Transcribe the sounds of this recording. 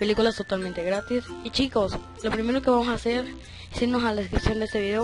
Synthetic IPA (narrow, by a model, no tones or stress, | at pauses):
pe̞likulast̪o̞t̪alment̪e̞ɣɾat̪isit͡ʃiko̞s | lo̞pɾime̞ɾo̞ke̞βamo̞saːse̞ɾ | esiɾno̞salaðeskɾipsjond̪eest̪eβiðeo